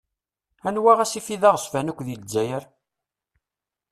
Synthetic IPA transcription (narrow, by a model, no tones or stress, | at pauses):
ænwæʁæsifiðæʁəsfænækʷːðjəd͡zːæjəɾ